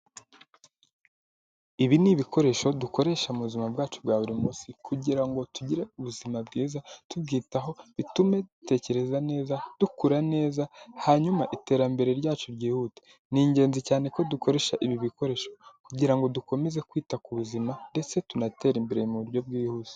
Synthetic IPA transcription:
iβiniβikʰo̞ɾe̞ʃo̞duko̞ɾe̞ʃamuβuzimabɡaːt͡ʃubɡaːβuɾimusikʰuɟiɾaŋɡo̞tuɟiɾeuβuzimabɡiːzatub̚ɡiːtaɦo̞βitume̞dute̞ːce̞ɾe̞zane̞ːzad̥ukuɾane̞ːzahaɲumaʔite̞ːɾambe̞ɾeɾɟaːt͡ʃoɾɟiːhute̥ | niːɲɟe̞ːnzicaːne̞ko̞duko̞ɾe̞ʃaʔiβiβiko̞ɾe̞ːʃo̞kuɟiɾaŋɡo̞duko̞me̞ze̞kwiːtakuβuzimande̞t͡se̞tunate̞ːɾimbeɾemuβuɾjo̞bɡiːhuz̥e̥

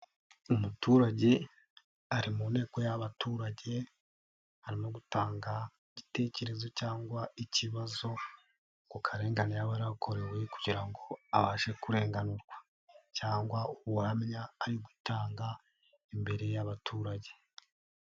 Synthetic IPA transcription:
umutuːɾaɟe̞ | aɾimuːnhe̞ːko̞jaβatuːɾaɟe̞ | haɾimo̞ɡutaːŋɡaiɟite̞ce̞ɾe̞zo̞caːŋɡwaiciβazo̞ | kukʰaɾe̞ːŋɡanijaβaɾakʰo̞ɾe̞ɾwe̞kuɟiɾaŋɡo̞aβaːʃe̞kuɾe̞ːŋɡanuɾɡwa | caːŋɡwauβuhamɲaːɾiɡwitaːŋɡa | imbe̞ɾe̞jaβatʰuːɾaɟe̞

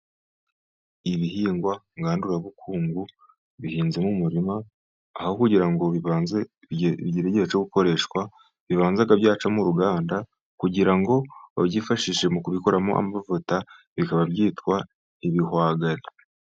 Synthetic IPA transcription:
iβihiːŋɡwaŋɡaːnduɾaβukʰuːŋɡu | βihiːnze̞mumuɾimaː | hokuɟiɾaŋɡoz | ɟiɾeɟet͡ʃoɡuko̞ɾe̞ːʃkwa | βiβaːnzaɡabjaːt͡ʃamuɾuɡaːnda | kuɟiɾaŋɡo̞βaβɟifaʃiʃe̞mukuβiko̞ɾamoʔa̰mavuta | βikaβabɟiːtkwa | iβihwaːɡaɾi

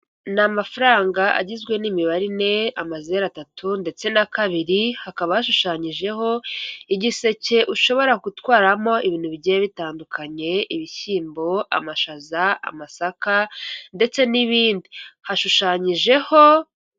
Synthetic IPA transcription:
namafaɾaːŋɡaʔa̰ɟizɡwe̞nimiβaɾine̞amazeɾatatʰunde̞t͡se̞nakaβiɾihakaβahaʃuʃaːɲiʒe̞ɦo̞iɟise̞ce̞ʔuʃo̞βo̞ɾakutwaːɾamo̞iβiːn̥huβiɟejβitaːndukʰaɲe̞iβiçiːmbo̞a̰maʃazaa̰masakande̞t͡se̞niβiːndihaʃuʃaːɲiʒe̞ho̞

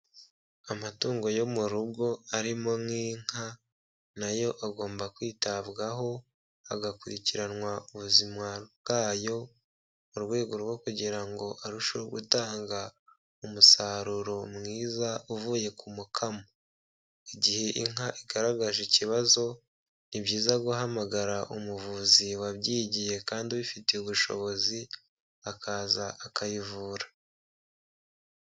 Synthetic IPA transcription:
amatuːŋɡo̞jo̞muɾubɡo̞aɾimo̞mŋiːŋ̥ha | najo̞ʔaɡo̞ːmbakwiːtaβɡaɦo̞ | aɡakuɾiciɾanwauβuzimwabɡ̥aːjo̞ | muɾwe̞ːɡo̞ɾwo̞kuɟiɾaŋɡo̞ʔaɾuʃoɡṵtaːŋɡa | umusaɾuɾo̞mŋiːzauvuːje̞kʰumukʰamoo | iɟihe̞ʔiŋaʔiɡaɾaɡaʒiciβazo̞ | nibɟiːzaɡuɦamaɡaɾaʔumuvuziwabɟiːɟije̞kaːndiβifite̞uβuʃo̞̰βo̞zi | akʰaːzaʔːkajivuːɾa

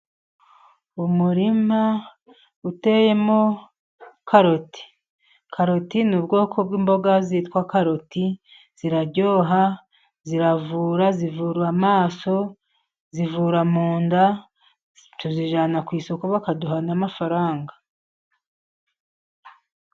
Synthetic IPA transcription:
umuɾima | ute̞je̞mo | kʰaɾo̞ti̥ | kʰaɾo̞tinuːbɡo̞ːkʰo̞bɡiːmbo̞ɡazitkwakaɾo̞ti | z̥iɾaɟo̞ːɦa | ziɾavuːɾazivuːɾuamaːso̞ | zivuːɾamuːnda | tuziʒaːnakwiːsokuβakaduɦanamafaɾaːŋɡa

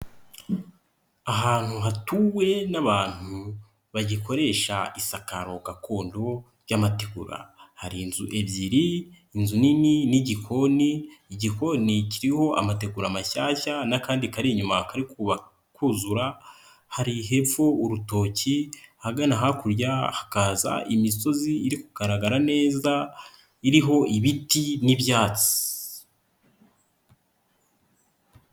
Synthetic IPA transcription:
aɦaːn̥huɦatuwe̞naβaːn̥hu | βaɟiko̞ɾe̞ʃa̰isakaɾo̞ɡakʰo̞ːndo̞ | ɾɟamateɡuɾa̰haɾinzuʔe̞bjiɾiː | nzunininiɟiko̞niːɟiko̞niciɾiho̞ʔa̰mate̞ɡuɾamaʃaːʃanakaːndikaɾiɲumakaɾikuβa | kuzuɾa | haɾiɦe̞fouɾuto̞cihaɡanaɦakuɾjahakaza̰ʔimiso̞ziːɾikuɡ̥aɾaɡaɾane̞ːza | iɾiɦo̞iβitinibjaːt͡si̥

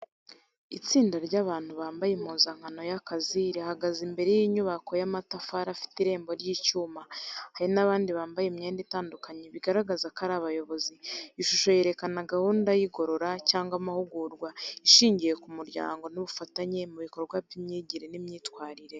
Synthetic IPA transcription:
it͡siːndaɾɟaːβaːn̥huβaːmbajemuːnzaŋ̥hano̞jakaziɾihaɡazimbe̞ɾejiɲuβako̞jamatafaɾafi̥tiɾe̞ːmbo̞ɾɟiːcuːmahaɾinaβaːndiβaːmbajemɲe̞ːnditaːndukaɲeβiɡaɾaɡazakaɾaβajo̞βo̞ziiʃuʃo̞je̞ɾe̞kanaɡahuːndajiɡo̞ɾo̞ɾacaːŋɡwamahuɡuːɾɡwaiʃiːɲɟije̞kumuɾɟa̰ːŋɡo̞nuβufataɲe̞muβikoɾoβɡwapimɲiːɟiɾenimɲiːtkwaːɾiɾe̞

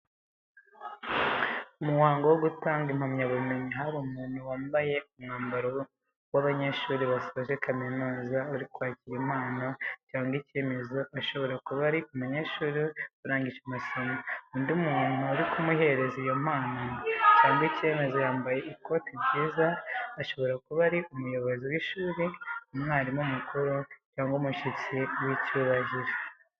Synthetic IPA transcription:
umuwaːŋɡowoɡutaːŋɡimhamɲaβume̞ɲiɦaβumuːn̥uwaːmbaje̞umŋaːmbaɾo | waβaɲeʃuɾiβasoaʒekʰaminuːzauɾikwaːciɾim̥haːnacaːŋɡice̞ːme̞zo̞ʔaʃo̞βo̞ɾakuβaɾiumaɲeʃuɾiuɾaːɲɡiʃemasomauːndumuːn̥uaɾikumuɦe̞ɾe̞zijo̞m̥haːnacaːŋɡice̞me̞zo̞jaːmbaje̞ʔiko̞tibɟiːzaːʃo̞βo̞ɾakuβaɾiumujo̞βo̞ziwiʃuːɾiumŋaːɾimumukuɾucaːŋɡumuʃit͡siwicuːβaʒiɾe

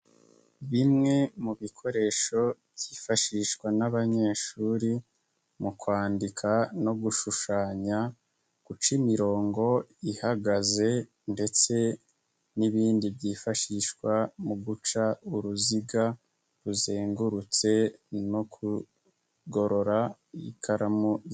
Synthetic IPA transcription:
βimŋe̞muβikʰo̞ɾe̞ːʃo̞bɟ̥iːfaʃiʃkwanaβaɲe̞ːʃuːɾi | mukwaːndikʰano̞ɡuʃuʃaːɲa | kut͡ʃimiɾo̞ːŋɡo̞ihaɡaze̞ | nde̞t͡se̞ | niβiːndibɟiːfaʃiʃkwamuɡut͡ʃauɾuziɡa | ɾuzeːŋɡuɾut͡se̞nokʰu | ɡo̞ɾo̞ɾa | ikʰaɾamu

